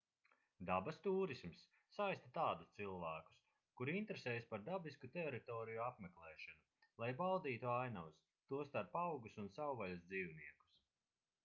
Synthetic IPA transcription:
d̪abast̪uːɾismsː | ajst̪at̪aːd̪ust̪silˠvæːku̥s | kuɾint̪ɾeseːjspaɾd̪abiskut̪eɾit̪ɔːɾijuapmɛklˠɛːʃanu | lˠajbawd̪iːt̪uajnaws | t̪uɔst̪aɾpawɡusunsawvalʲazd̪ziːwniɛku̥s

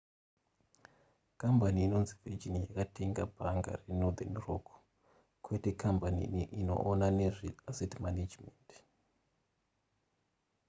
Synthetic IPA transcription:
kambaniːno̞nzivid͡ʒinjakatʰeŋɡabʱaŋɡa̰renod̪enrok | kwete̞kʰampanḭʔino̞̰ʔːnane̞riasetmaned͡ʒment

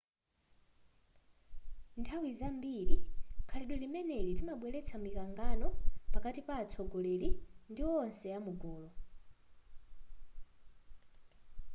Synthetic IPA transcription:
ntʰawizambiɾikʰaliɗwɛlimɛnɛɾitimaɓwɛlɛt͡sʰamikaŋɡanɔpakatipaːt͡sʰɔɡɔleɾindiwɔnsɛjamuɡɔːlɔ

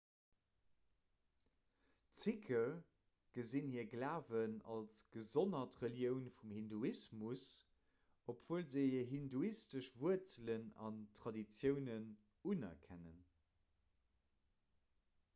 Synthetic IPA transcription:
t͡sikʰə | ɡ̥əzinhiːəɐɡlaːvənɑ̰lsɡ̥əzonɐtʁəljəʊnfumhinduismus | opʰv̥uəlzəiəɐɦinduistəʃvuət͡sələnɑ̰ntχɑdit͡sjəʊnən | unɐ̰kʰænə̰n

